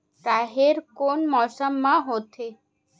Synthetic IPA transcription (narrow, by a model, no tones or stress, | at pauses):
t̪aɦeɾkonmɔsamːaɦot̪ʰe